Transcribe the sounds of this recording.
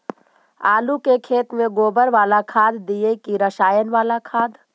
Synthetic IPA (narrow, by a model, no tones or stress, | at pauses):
aːlukekʰeːt̪mẽɡoːbəɾʋaːlakʰaːd̪ːiekiɾəʃaːjənʋaːlakʰaːd̪